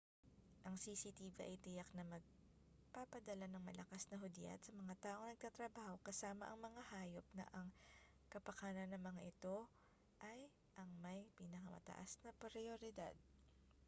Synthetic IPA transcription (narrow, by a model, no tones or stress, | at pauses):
ʔɐŋsisit̪ivɐ̰ʔɐjt̪ɪjaknɐmɐɡ̚ | papɐd̪ɐlanɐŋmɐlɐkasnɐɦʊd̪ja̰t̪sɐmɐŋat̪aːʔo̞ŋnɐɡ̚t̪at̪ɾɐbaːho̞kɐsaːmɐ̰ʔɐŋmɐŋahaːjo̞p̚nɐ̰ʔɐŋ | kɐpɐkaːnɐnɐŋmɐŋaʔɪt̪o̞ | ʔɐj | ʔɐŋmɐjpinɐkɐmɐ̰t̪ɐ̰ʔa̰snɐpɾɪoɾɪd̪a̰d̪̚